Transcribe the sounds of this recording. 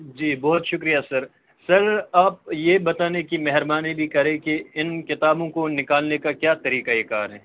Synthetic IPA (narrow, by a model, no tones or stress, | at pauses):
d͡ʒiːbɔːʊt̪ʃʊkɾijasɐɾ | sɐɾaːp̚jebɐt̪aːnekimɛɦɛɾbaːnibʱikɐɾẽkeɪnkɪt̪aːbõkonɪkaːlnekakjaːt̪ɐɾiːkaekaːɾɦɛː